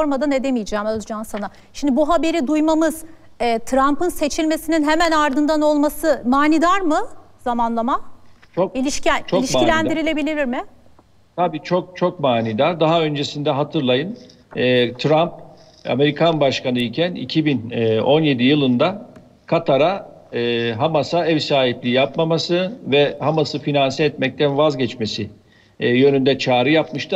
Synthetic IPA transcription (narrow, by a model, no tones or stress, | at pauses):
ɾmad̪ane̞d̪emijd͡ʒaːmazd͡ʒamsana | ʃimd̪ibuɦabe̞ɾid̪ujmamɯz̥ː | t̪ʰɾampɯnse̞t͡ʃʰilʲme̞sininɦe̞mænaɾd̪ɯnd̪ano̞lˠmasɯmaːnid̪aɾmɯz̥amanlˠamat͡ʃʰokilʲiʃc̪t͡ʃʰolʲiʃilʲænd̪iɾilʲe̞bilʲiɾiɾmɪ | t̪ʰabiːt͡ʃʰok̚t͡ʃʰok̚maːnid̪aɾd̪aɦaø̞nd͡ʒe̞sind̪ɛɦat̪ʰɯɾlˠajɯnː | t̪ʰɾamp̚ | a̰me̞ɾikʰanbaʃkanɯicʰænḭcʰibinːo̞nje̞d̪ijɯlˠɯnd̪a | kʰat̪ʰaɾaː | ɦamasaɛvsaːɦiplʲiːjapmamasɯvɛhamasɯfinansɛɛt̪mɛc̚t̪ʰænvazɟɛt͡ʃme̞si | jø̞nynd̪ɛt͡ʃʰaːɾɯjapmɯʃt̪ʰɯ